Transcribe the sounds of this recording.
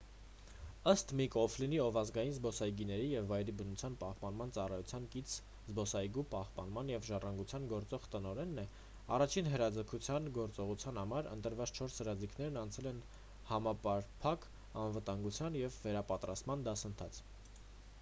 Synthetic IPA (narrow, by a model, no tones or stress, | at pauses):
əst̪mikɔfʰliniɔvɑzɡɑjinzbɔsɑjɡinɛɾijɛvːɑjɾibənut͡sʰjɑnpɑhpɑnmɑnt͡sɑrɑjut͡sʰjɑnkit͡sʰ | zbɔsɑjɡupɑhpɑ̰nmɑnjɛvʒɑrɑŋɡut͡sʰjɑnɡɔɾt͡sɔʁt̪ənɔɾɛnːɛ | ɑrɑt͡ʃʰinɦəɾɑd͡zəkʰut͡sʰjɑnɡɔɾt͡sɔʁut͡sʰjɑn̪hɑmɑɾə̰nt̪əɾvɑt͡sʰt͡ʃʰɔɾshəɾɑd͡zikʰnɛɾnɑnt͡sʰɛlɛn | hɑmɑpɑɾpʰɑk | ɑnvət̪ɑŋɡut͡sʰjɑnjɛvːɛɾɑpɑt̪ɾɑst̪mɑnd̪ɑsənt̪ʰɑt͡sʰ